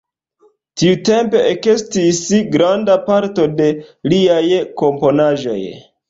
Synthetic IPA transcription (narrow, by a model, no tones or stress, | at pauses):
tiute̞mpe̞ʔekestisɡɾandapaɾto̞de̞liajko̞mpo̞naʒo̞̰j